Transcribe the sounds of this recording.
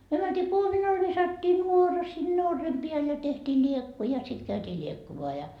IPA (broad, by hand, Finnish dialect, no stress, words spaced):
myø mæntiː kuominɑl ʋisɑtːiː nuorɑ sinːe orːem piæl jɑ tehtiː lʲiekːu jɑ sit kæytiː lʲiekːumoɑ jɑ